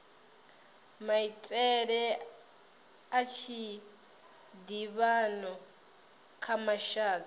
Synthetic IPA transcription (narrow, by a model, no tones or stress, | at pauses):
mait͡sʼɛɺɛ | at͡ʃʰi | diβanɔ | kʰamaʃaːtʰʼ